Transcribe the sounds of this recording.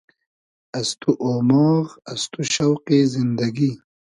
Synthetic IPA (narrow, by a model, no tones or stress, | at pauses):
ɐst̪uʔoːmɔːɾɐst̪uɕɐwqezind̪ɐɡi